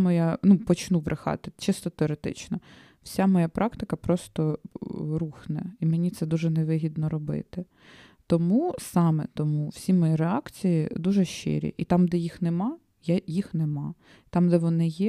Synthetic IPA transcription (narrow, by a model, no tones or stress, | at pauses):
mɔjanupɔt͡ʃnuʋɾʔɪxɑ̰t̪ɪt͡ʃɪst̪ɔt̪eɔɾet̪ɪ̰t͡ʃnɔ | w̥sʲamɔjapɾʔɑkt̪ɪkɐpɾɔst̪ɔ | ɾuxnɛ̰imenʲit̪sɛd̪uʒɛnɛʋɪɦʲid̪nɔɾɔbɪ̰t̪ɪ | t̪ɔmusɑmɛ̰t̪ɔmuw̥sʲimɔjiɾeɑkt͡sʲijid̪uʒɛʃt͡ʃɪ̰ɾʲḭʔit̪ɑmd̪ɛjixnɛmɑ | jajixnɛmɑ | t̪ɑmd̪ɛʋɔnɪjɛ